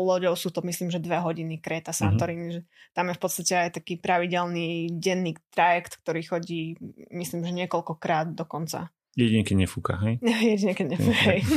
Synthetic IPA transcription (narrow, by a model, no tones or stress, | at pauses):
lɔɟɔʊsuːt̪ɔmisliːmʒɛd̪ʋɛɦɔɟinikɾɛːt̪asant̪ɔɾiniʒɛt̪amjɛfpɔt̪st̪acɛajt̪akiːpɾaʋiɟɛlniɟɛnːiːt̪ɾajɛkt̪k̚t̪ɔɾiːxɔɟiːmisliːmʒɛɲɪɛkɔlkɔkɾaːd̪d̪ɔkɔnt͡sa̰ | jɛɟiɲɛkɛɲɛfukaɦɛjɛjɛɟiɲɛkɛɟɲɛfukɦɛj